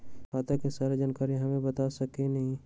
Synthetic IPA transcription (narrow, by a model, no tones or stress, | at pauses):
maːt̪akesaːɾed͡ʒaːnkaːɾiɦɐmẽbət̪asəkenɐɦĩ